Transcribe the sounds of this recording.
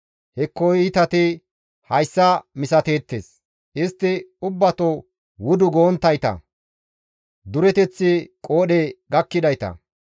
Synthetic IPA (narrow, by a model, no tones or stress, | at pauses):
hɛkːɔjɪt̪ɐt̪ɪ | hɐjsːɐmɪsɐt̪e̞ːt̪ːḛːs | ɪst̪ːɪʊbːɐt̪o | wʊd̪ʊɡoːnt̪ːɐjt̪ɐ̰ | d̪ʊɾɛt̪ɛt͡sːɪkʼo̞ːɗeɡɐkːɪd̪ɐjt̪ɐ̰